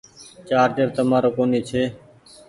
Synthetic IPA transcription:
t͡ʃaːɾdeɾt̪əmaːɾoːkoːniːt͡ʃʰeː

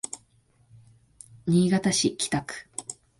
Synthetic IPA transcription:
ɲ̟iːɡat̪aɕikʲi̥t̪akɯ̥

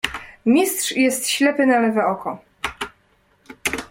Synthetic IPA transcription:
mʲistʂjɛst̪ɕlɛpɘnalɛvɛɔkɔ

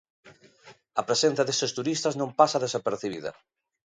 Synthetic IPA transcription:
ɐpɾesen̟θjɐðesest̪uɾist̪ɐznõmpasɐðesapeɾθiβ̞ḭðɐ̰

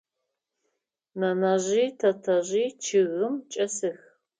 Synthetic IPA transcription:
nɐnaʑiːtʰɐtʰɐʑiːt͡ʃʰɪɣɨmt͡ʃʼɐsɨx

